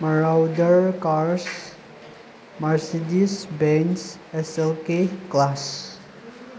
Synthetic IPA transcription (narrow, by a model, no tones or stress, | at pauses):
məɹawdəɹkaɹs | maɹsedisbɛ̃ns | ɛsəlkeklas